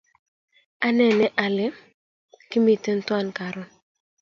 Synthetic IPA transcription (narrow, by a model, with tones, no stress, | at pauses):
a˦nɛ˨nɛ˦ʔa˨lɪ˦ | ki˦mi˨tə˦n̩˦twa˦˨nka˨ɾʊ˦